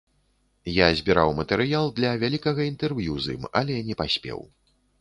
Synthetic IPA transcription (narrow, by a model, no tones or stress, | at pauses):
jazʲbʲiɾawmɐt̪ɛɾɨjalˠd̪lʲɐvʲalʲikɐɣɐint̪ɛrvjuzɨ̰ma̰lʲɛnʲɛpasʲpʲɛ̰w